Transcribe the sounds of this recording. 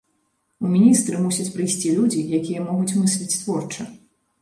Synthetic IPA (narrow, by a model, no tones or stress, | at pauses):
umʲinʲist̪ɾɨmusʲɐt͡sʲpɾɨjsʲt͡sʲilʲud͡zʲijakʲijɐmɔɣut͡sʲmɨsʲlʲit͡sʲt̪vɔrt͡ʂɨ